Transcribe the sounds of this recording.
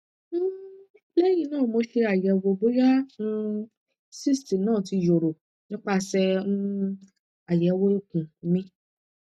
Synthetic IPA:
lɛ˦j̃ĩ˧nãː˦˨mo˧ʃe˧a˨jɛ˨wo˨˧˨bo˦ja˦nũ˧ | si˦˨sti˨nãː˦˨ti˧jo˨ɾo˨ | nĩ˦k͡pa˧˨sɛ˧ũ˧ | a˨jɛ˨˧wo˦o˦kũ˨˦mĩ˦

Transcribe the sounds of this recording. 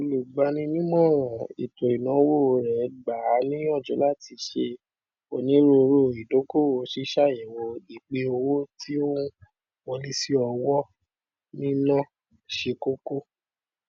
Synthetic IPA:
o˧lu˨ɡ͡ba˧nĩ˧nĩ˦mɔ̃˦˨ɾ̃ã˨ḭ˨to˨ɾi˨nã˨˦wo˦˨˧ɾɛ˨ɡ͡ba˨˦nĩ˦ɔ˦˨d͡ʒɔ˨˦la˦˨ti˧ʃe˧ | o˧nĩ˦ɾo˧ɾo˦˨i˨do˨˦ko˦˨o˨˦ʃi˦ʃa˦˨jĩ˨wɔ˧i˨k͡pe˧˦o˧wo˦tʰi˦o˦ũ˦ | wɔ˧li˦si˦ɔ˧wɔ˦ | nĩ˦nã˦ | ʃe˧ko˦ko˦

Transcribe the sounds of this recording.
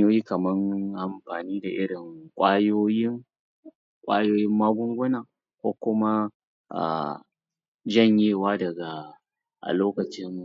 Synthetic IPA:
oː˦jiː˦kɐ˨mɐ˦ŋʔa˨mɸaː˨niː˦da˨ʔɪ˦ɽɪ˨ŋkʷʼaː˦joː˦jɪ˦ŋ | kʷʼaː˦joː˦jɪ˦mːaː˦ɡʷʊ˦ŋɡʷʊ˦naː˨ | kʷoː˦kʷʊ˦ma˦ | ʔa̰˨ | d͡ʒɐ˦˨ɲjeː˦˨waː˦dɐ˨ɡa˨ | ʔa̰˨loː˦kɐ˨t͡ʃɪ˦mːu˨

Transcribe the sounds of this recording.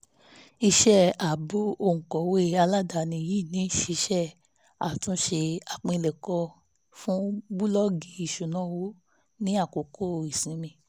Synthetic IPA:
i˧ʃɛ˦˨a˨bo˦o˧˨ŋ̩˨kɔ˨we˦˨a˧la˦da˧˨nĩ˧˨ji˦˨nĩ˨˦ʃe˧ʃɛ˦˨ | a˨tũ˦ʃe˧a˨k͡pĩ˧lɛ˨kɔ˧ | fũ˦bu˦lɔ˦ɡi˧˦i˨ʃu˨nã˨˦wo˦ | nĩ˦a˦˨ko˨kʰo˦˨i˨sĩ˨˦mĩ˧

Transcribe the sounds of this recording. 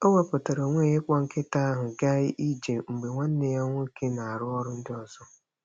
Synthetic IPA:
o˦wa˦pʊ˨ta˨ɾo˨ŋʷe˦˨jɪ˦kʷɔ˦ŋ̩˦kɪ˦ta˦ɦʊ˨ɡa˦ɪ˦ʔi˦d͡ʒe˨ŋ͡m̩˨ɡ͡be˨ŋʷa˦n̩˦ne˨ja˦ŋʷʊ˦i˦ke˦na˨a˨ɾʊ˦ɔ˦ɾʊ˦n̩˦dɪ˦ɔ˨zɔ˦

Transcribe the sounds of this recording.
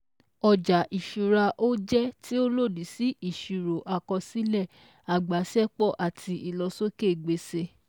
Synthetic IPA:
ɔ˧d͡ʒa˨ʔi˨ʃu˨ɾa˧ʔo˦d͡ʒɛ˦ti˦o˦lo˦˨di˨˦si˨˦ʔi˦˨ʃu˨ɾo˨ʔa˨kɔ˧si˦lɛ˦˨ | a˨ɡ͡ba˨˦sɛ˦k͡pɔ˦˨ʔa˨tʰi˧ʔi˨lɔ˧so˦ke˦˨ɡ͡be˨˧se˧˦

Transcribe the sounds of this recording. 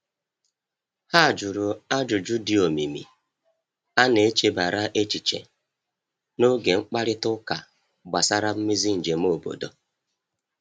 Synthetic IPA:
ha˦˨d͡ʒʊ˨ɾʊ˨a˦d͡ʒʊ˨d͡ʒʊ˦di˨o˨mi˨mḭ˨ | a˦ne˨˦t͡ʃe˦ba˨ɾa˦ʔe˦t͡ʃi˨t͡ʃḛ˨ | no˦ɡe˨ŋ͡m̩˦k͡pa˦ɾɪ˦tʊ˦ka˨ | ɡ͡ba˨sa˦ɾa˦m̩˦mi˦zi˦n̩˨d͡ʒe˨m̩˦o˦˨bo̰˨do̰˨

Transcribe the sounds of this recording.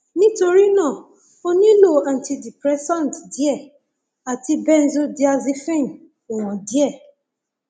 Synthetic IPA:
nĩ˦to˧ɾi˦nã˦˨ | o˦nĩ˦lo˦˨a˨n̩˨ti˧di˨pɾɛ˦sɔ̃˦˨n˨tdi˦ɛ˦˨ | a˨ti˧bɛ˦n̩˦zo˦di˦a˧zi˦fĩ˦˨n˨ | o˨w̃ɔ̃˨di˦ɛ˦˨

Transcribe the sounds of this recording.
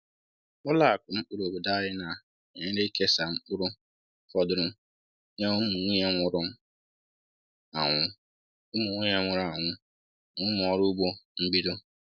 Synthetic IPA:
ʊ˦la˦˨kʊ˨m̩˦k͡pu˦ɾo˨bʊ˨da˦ɾɪ˦na˨ | e˨ɲe˦ɾe˦i˦ke˦sa˨ŋ͡m̩˦k͡pʊ˦ɾʊ˦ | fɔ˦dʊ˦ɾʊ˦ | ɲɔ˦m̩˦mu˨ŋʷi˦ɲe˦ŋʷʊ˨ɾʊ˦m̩˦ | a̰˨ŋʷʊ˦ | ʊ˦mu˨ŋʷi˦ɲe˦ŋʷʊ˨ɾa˨ŋʷʊ˦ | ŋʊ˦m˨ɔ˨˦ɾu˦ɡ͡bo˦m̩˦bi˦do˦

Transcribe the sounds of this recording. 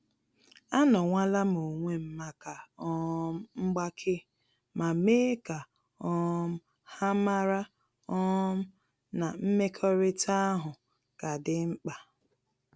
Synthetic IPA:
a˦nɔ˨ŋʷa˦la˦m˨o˨ŋʷe˦m̩˦ma˨ka˨ɔ˦m̩˦ŋ͡m̩˦ɡ͡ba˦kʰɪ˦ | ma˨me˦ka˨ | ɔ˦m̩˦ | ha˦ma˦ɾa˦ | ɔ˦m̩˦ | na˨m̩˦me˦kʰɔ˦ɾɪ˦ta˦a˦ɦʊ˨ | ka˨dɪ˦ŋ͡m̩˦k͡pa˨

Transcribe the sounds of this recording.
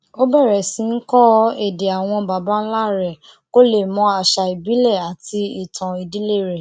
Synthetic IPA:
o˦bɛ˦˨ɾɛ˨sĩ˨˦n̩˦kɔ˦e˦˨de˨a˨w̃ɔ̃˧ba˨ba˦n̩˦la˦˨ɾɛ˨ | ko˦le˦˨mɔ̃˧˦a˨ʃa˧i˨bi˨˦lɛ˦˨a˨ti˧i˨tʰã˨i˨di˨˦le˦˨ɾe˨

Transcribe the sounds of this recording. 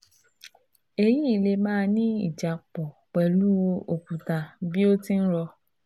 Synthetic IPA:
e˧ji˦i˦˨le˧mãː˦˧nĩ˦i˦˨d͡ʒa˨k͡pɔ˨k͡pɛ˨lu˦wo˧ʔo˨ku˨ta˨bi˦o˦ti˦n̩˦ɾɔ˧

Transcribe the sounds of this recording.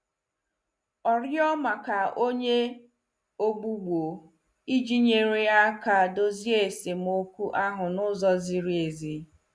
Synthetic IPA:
ɔ˨ɾjɔ˦ma˨ka˨ʔo˦ɲe˦ | o˦ɡ͡bu˦ɡ͡bʷo˨ | i˦d͡ʒi˦ɲe˨ɾe˦a˦ka˦˨do˦zi˦e˨se˨m˦o˦kʷu˦ʔa˦ɦʊ˨nʊ˦zɔ˦zi˨ɾi˦e˨zi˨

